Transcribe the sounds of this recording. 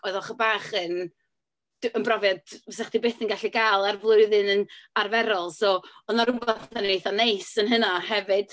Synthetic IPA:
ɔɨðɔχəbaːχən | dənbrɔvjadsɛaχd̥ibeːθənɡaɬiɡaːlˠarvlˠʊɨðɨnənarvɛɾɔlˠsoːɔnaɾʊbaanejθanejsənɦənahɛvɨd̥

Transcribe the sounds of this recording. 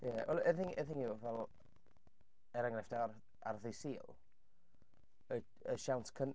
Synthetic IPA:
jɛwɛlˠəθɪŋəθɪŋuvɛlˠ | ɛɾaŋrɛfd̥a | a̰rðɨsiːlˠ | ə | əʃawntʰkʰən

